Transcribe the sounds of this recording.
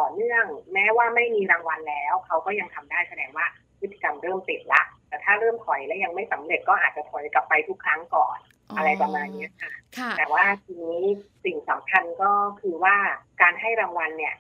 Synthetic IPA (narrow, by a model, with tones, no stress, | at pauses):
t̪ɔː˨˩nɯ˥˩əŋmɛː˦˥waː˥˩ma˥˩jmiː˧ɾaː˧ŋwa˧nlɛː˦˥wkʰa˦˥wkɔː˥˩ja˧ŋt̪ʰa˧mdaː˥˩jsa˧dɛː˧ŋwaː˥˩ | pʰɯ˦˥t̪ʰːi̥˧˩ka˧mɾɤː˥˩mpi˨˩t̪̚la˦˥ʔt̪ɛː˨˩t̪ʰaː˥˩ɾɤː˥˩mkʰɔ˨˩˦jlɛ˦˥wja˧ŋma˥˩jsa˩˦mɾe˨˩t̪̚kɔː˥˩ʔaː˨˩t̪̚t͡ɕa˨˩pʰo˨˩˦nka˨˩pːa˧jt̪ʰu˦˥kʰːɾa˦˥ŋkɔ̰ː˨˩n | ʔa˧ɾa˧jpa˧maː˧nːi˦˥ɐkʰa˧˩t̪ɛː˨˩waː˥˩t̪ʰiː˧ŋniː˦˥si˨˩ŋsa˩˦mkʰa˧nkɔː˥˩kʰɯː˧waː˥˩kaː˧nɦa˥˩jɾaː˧ŋwa˧nːi˧˩ɐ